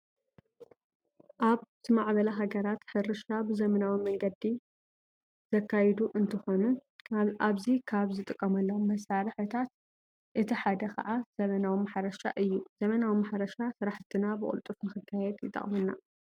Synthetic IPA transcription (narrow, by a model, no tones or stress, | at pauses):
ʔaβt̪ʰɨmaʕbɐlaɦaɡɐɾat̪ħɨɾɨʃabɨzɐmɐnawimɐŋɡɐd̪i | z̥ɐkʰːajɛd̪uʔɨnt̪ʰɨxo̞nu | aβzikʰaβzɨt̪ʼɨkʼːɐmɐlːɐwomːɐsaɾɨħɨt̪ʰat̪ | ʔɨt̪ʰiħad̪ɐkʰɐ̰ʕaz̥ɐmɐnawimaħɾɐʃa̰ʔɨjːuz̥ɐmɐnawimaħɾɐʃasɨɾaħt̪ʰinabɨkʼʊ̰lt̪ʼufnɨxɨkʰːajɛd̪jɪt̪ʼɐ̰χʼmɨnːa̰